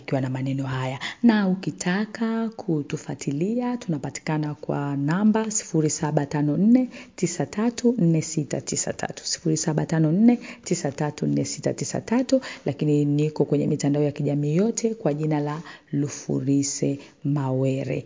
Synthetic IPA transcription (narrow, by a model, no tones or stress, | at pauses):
kiwanamanɛnɔɦajanaukitʰakakʰutufatʰiliatunapati̥kanakwa̰nambasi̥fuɾisaɓatanɔn̩nɛtisatʰatun̩nɛsita̰tisa̰tʰa̰tu̥si̥fuɾisaɓatanɔn̩nɛtisatatun̩nɛsita̰tisa̰tatulʔakininikɔkwɛɲɛmitandaɔjakiʄamiːjɔtʰɛkwaʄinalalufṵɾisɛ | mawɛɾɛ̰